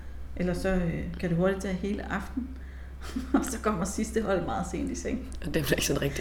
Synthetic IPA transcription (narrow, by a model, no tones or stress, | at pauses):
ʔelɐsɒ̽økʰæɾ̥uɦo̝ɐɾid̥̚t͡sʰɛ̰ːɦe̝ːləʔɑ̈fd̥n̩ | ɒ̽sɒ̽kʰɒ̽m̰ɐsisd̥əɦɒ̽l̰mɑ̈ːð̞̩ˠse̝ːnd̥iseŋ̰ɒd̥eʋ̥eɡ̥sɒnʁɛɡ̥d̥i